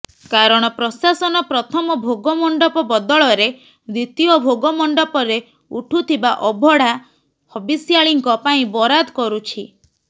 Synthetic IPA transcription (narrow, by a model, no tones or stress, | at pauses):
kaɾɔɽ̃ɔpɾɔsasɔnɔpɾɔt̪ʰɔmɔbʱoɡɔmɔɳɖɔpɔbɔd̪ɔɭɔɾe | d̪it̪iɔbʱoɡɔmɔɳɖɔpɔɾe | uʈʰut̪ʰibaʔɔbʱɔɽ̤a | hɔbisjaɭiŋkɔpaĩbɔɾad̪ɔkɔɾut͡ʃʰi